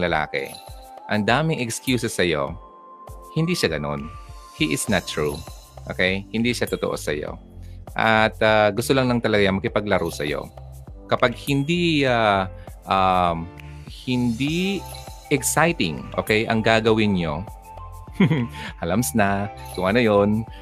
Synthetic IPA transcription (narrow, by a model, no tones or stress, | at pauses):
lɐla̰ːkɛ̰ | ʔɐŋd̪aːmɪŋɛkskjuːsɛsɐjo̰ | hɪnd̪iːʃaɡɐno̞̰nhiʔɪsnɐt̪̚ːɹu | ʔoːkɛjhɪnd̪iʃat̪ot̪oʔo̞̰sɐ̰jo̞̰ | ʔɐt̪aɡʊst̪olɐŋlɐŋt̪ɐlɐɡaɐŋmɐkɪpɐɡ̚lɐɾusɐ̰jo̞̰ | kɐpaɡ̚hɪnd̪iaʔamhɪnd̪i | ʔɛksajt̪ɪ̰ŋʔo̰ːkɛjʔɐ̰ŋɡaɡɐwɪnɲo̞ | ʔɐlɐmsnakʊŋʔanɐjon